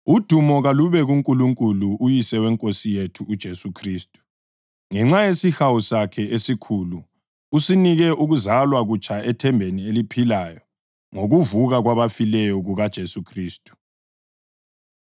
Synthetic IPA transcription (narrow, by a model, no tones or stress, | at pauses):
ud̥ʱumɔɣaluβɛɣuŋkʼuluŋkʼuluːjisɛwɛŋkʼosijetʰuːd̥ʒ̥ʱesukʰriːstʼu̥ | ŋɛŋ͡ǁajesixawusakʰɛʔesikʰulu | usiniɣɛʔuɣuzalwaɣut͡ʃʼʰaɛtʰɛmbʱenielipʰilaːjɔ | ŋoɣuvuɣaɣwaβafilɛjɔɣuɣad̥ʒ̥ʱesukʰriːstʼu̥